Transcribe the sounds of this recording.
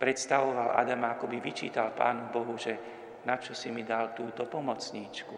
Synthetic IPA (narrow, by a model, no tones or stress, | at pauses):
pɾɛt̪st̪aʋɔʋala̰d̪amaakɔbiʋit͡ʃḭːt̪alpa̰ːnubɔɦuʒɛ | nat͡ʃɔsimid̪alt̪uːt̪ɔpɔmɔt͡sɲiːt͡ʃku